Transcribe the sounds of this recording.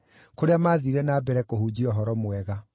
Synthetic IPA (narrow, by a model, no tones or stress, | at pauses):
koɾeamaːðiɾɛnaːbɛɾɛkohud͡ʑiɔɦɔɾɔmwɛɣa